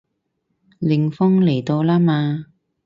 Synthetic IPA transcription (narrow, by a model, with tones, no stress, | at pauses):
lɪ˨˧ŋfɔ˥ŋle˨˩jt̪o˧wlaː˥maː˧